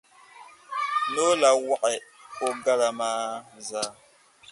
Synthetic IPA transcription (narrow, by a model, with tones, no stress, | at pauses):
no˦la˨wa˦˨ʔɛ˨o˦ɡa˦la˨maː˦zaː˨˦